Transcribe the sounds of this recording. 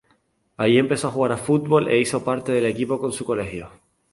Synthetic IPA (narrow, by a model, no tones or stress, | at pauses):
ajie̞mpe̞so̞axuɣaɾafut̪̚βo̞lʔe̞̰iso̞paɾt̪e̞ðe̞le̞kipo̞ko̞nsuko̞le̞hjo